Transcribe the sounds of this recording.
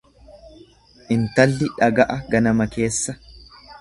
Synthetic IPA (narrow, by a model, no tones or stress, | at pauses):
ʔɪnt̪ɐlːɪᶑɐɡɐʔɐɡɐnɐmɐke̞ːsːɐ